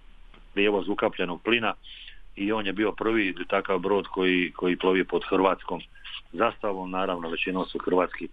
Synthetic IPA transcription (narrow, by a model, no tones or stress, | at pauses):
pɾjeʋo̞zukapʎenoɡ̚plinaio̞ːnjebiːo̞pr̩ʋit̪akaʋbɾo̞ːd̪kojikʰo̞jiplˠo̞ʋipo̞d̪xrʋaːt̪sko̞ːm | zast̪aʋomnaːɾaʋnoʋe̞t͡ɕinoːmsuxr̩ʋaːt̪ski